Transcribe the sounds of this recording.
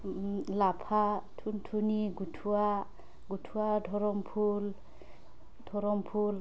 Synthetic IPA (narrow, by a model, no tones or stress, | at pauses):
lapʰatʰuntʰuniɡutʰuwa | ɡutʰuwadʱɔɹɔmpʰul | dʱɔɹɔmpʰul